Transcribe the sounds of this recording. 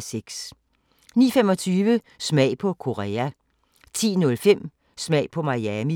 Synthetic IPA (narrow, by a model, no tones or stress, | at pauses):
seɡ̥s | nḭːɐfemɒ̽t͡sʰyːʋə | smɛ̰ɪpʰɒ̽kʰo̝ʁɛːæ | t͡sʰḭːnɔ̽lfem̰ | smɛɪ̰pʰɒ̽mɑ̈jɛmi